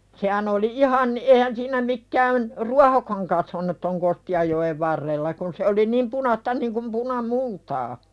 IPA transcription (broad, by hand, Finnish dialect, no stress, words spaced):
sehæn oli ʔihɑn ʔehæn siːnæ mikːæːn ruɑhokɑŋ kɑsʋɑnut ton kostiɑjːoeʋ ʋɑrːelːɑ kun se oli niːm punɑstɑ niŋkum punɑmultɑː